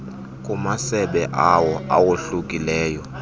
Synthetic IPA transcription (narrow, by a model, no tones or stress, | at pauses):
kʼumasɛɓɛʔawɔa̰woɬukʼilɛːjɔ